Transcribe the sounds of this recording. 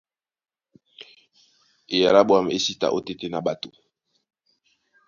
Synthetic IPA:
e˨ja˨la˦bwa˦m˨e˦si˦ta̰˨ʔo˦te˦te˦na˨ba˨to˨

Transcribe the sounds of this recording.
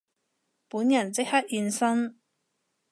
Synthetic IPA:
puː˨˥njɐ˨˩nt͡sɪ˥k̚hɐ˥t̚iː˧nsɐ˥ŋ

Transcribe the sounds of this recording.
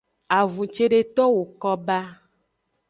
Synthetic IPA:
a˨vũ˨t͡ʃe˦ɖe˦t̪ɔ˦wo˨kɔ˦ba˦

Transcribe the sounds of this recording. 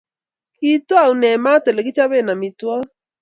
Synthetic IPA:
ki˦twa˦˨u˨nɛ˨ma˦tɛ˨lɛ˨kɪ˦t͡ʃa˦βe˦˨na˨mɪ˨twɔ˦

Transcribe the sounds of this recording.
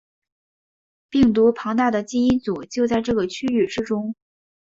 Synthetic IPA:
pi˥˩ŋt̪̬u˧˥pʰɑ˧˥ŋt̪a˥˩d̪ə˩t͡ɕi˥i˥nt͡su˨˩t͡ɕjo˥˧ʊt͡sa˥˧ɪʈ͡ʂɤ˥˩ɡə˩t͡ɕʰy˥y˥˩ʈ͡ʂɻ̩˥ʈ͡ʂʊ˥ŋ

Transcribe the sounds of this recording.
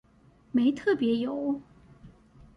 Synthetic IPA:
me˧˥ɪt̪ʰɤ˥˩pjɛ˧˥jo˨˩˦ʊ

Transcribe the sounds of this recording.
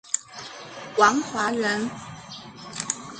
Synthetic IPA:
kwɑ˨˥ŋxwa˧˥ɻə˧˦n

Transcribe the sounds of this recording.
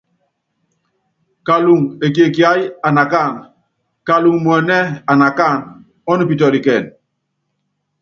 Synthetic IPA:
ka˨lu˨ŋe˨k̬e˨ki˨a˦ja˨na˨ka˦˨n | ka˨lu˨ŋmu˨ɛ˨nɛ˦a˨na˨ka˦˨n | ɔ˦nu˨pi˨t̬ɔ˨li˨kɛ˨n

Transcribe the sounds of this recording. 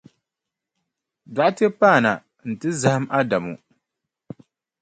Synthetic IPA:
da˨ʔtɨ˦paː˦˨na̰˨ | n̩˨tɨ˦za˨hɨ˦mʔa˦da˨mṵ˨

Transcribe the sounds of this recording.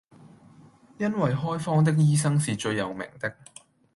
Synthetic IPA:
jɐ˥nwɐ˨jɦɔː˥jfɔː˥ŋt̪̬ɪ˥k̚jiː˥sɐ˥ŋsiː˨t͡ʃɵ˧ɥjɐ˨wmɪ̰˨˩ŋt̪ɪ˥k̚

